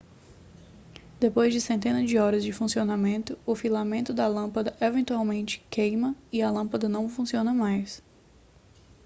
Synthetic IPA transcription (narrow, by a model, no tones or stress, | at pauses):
d̪̥epojzd͡ʒɪsẽnt̪ẽnɐd͡ʒɪɔɾɐzd͡ʒɪfũsionamẽnt̪ʊʊfilamẽnt̪ʊd̪ɐlɐ̃pɐd̪ɐʔevẽnt̪uawmẽnt͡ʃɪ̥kejmɐiɐlɐ̃pɐd̪ɐnɐ̃w̃fũsiõnɐmajs